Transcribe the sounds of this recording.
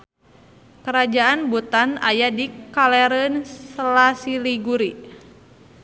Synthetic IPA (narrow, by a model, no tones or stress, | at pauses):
kəɾad͡ʒaʔanbut̪ana̰jadikalɛɾənsəlasiliɡuɾi